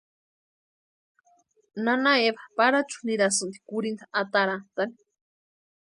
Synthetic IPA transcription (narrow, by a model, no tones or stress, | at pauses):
nanaeβapaɾat͡ʃu̥niɾasɨnd̪i̥kuɾind̪aat̪aɾant̪ani̥